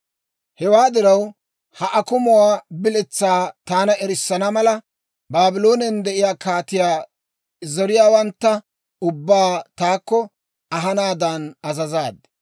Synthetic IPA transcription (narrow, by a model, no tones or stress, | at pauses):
hɛwaːd̪ɪɾɐw | hɐʔɐkʊmʊwaːbɪlɛt͡sːaːt̪aːnɐɛɾɪsːɐnɐmɐlɐ | baːbɪlo̞ːnɛnd̪ɛʔɪjaːkaːt̪ɪjaː | zɔɾɪjaːwɐnt̪ːɐ | ʊbːaːt̪aːkːɔ | ɐɦɐnaːd̪ɐnɐzɐzaːd̪